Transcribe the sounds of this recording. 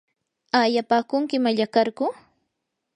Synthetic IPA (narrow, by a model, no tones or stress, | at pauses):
ajapaːkʊŋkɪmaʎakaɾkʊ